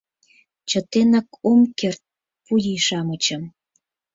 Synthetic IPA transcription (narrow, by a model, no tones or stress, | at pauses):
t͡ɕə̆t̪enɑkʰomkert̪̚ | pulʲiʃɑmət͡ɕəm